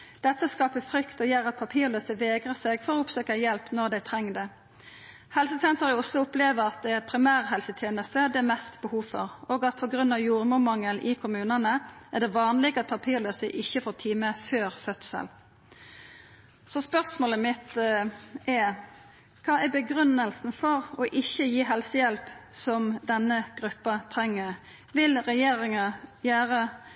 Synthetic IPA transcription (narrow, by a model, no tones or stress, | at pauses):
d̪̥ɛt̪ːəskɑːpəfɾʏkt̪ɔjeːʁɑt̪̚pʰɑpʰiːʁløːsəʋeːɡʁəseɡfɔʁɔːʊpsøːkəjɛlpnɔʁd̪æɪt̪ʰʁɛŋːd̪ə | hɛlsəsɛnt̪əʁɪʊslʊʊpleːʋəʁɑt̪̚d̪ɛæʁpʰɾɪmæːʁɦɛlsət̪ʰjeːnəst̪əd̪ɛmɛst̪bəhuːʋfɔ̰ʁoːɡɑt̪̚pʰɔɡɾʉnɑʋjuːʁmʊmɑŋːəlʔɪkʰʊmʉːnɑnəʔæd̪ɛʋɑːnlɪɡɑt̪̚pʰɑpʰiːʁløːsəʔɪçːəfɔːʁt̪ʰiːməføːʁfœt̪sə̰l | sɔspœʁsmoːləmɪt̪ | ʔɛ | kʰɑːæbəɡɾʉnːəlsn̩fɔʁɔʔɪçəjiːɦɛlsəjɛlpsɔmd̪ɛnːəɡ̥ʁʉpːɑt̪ʰɾɛŋːə | ʋɪlʁɛjeːɾɪŋɑjæːʁə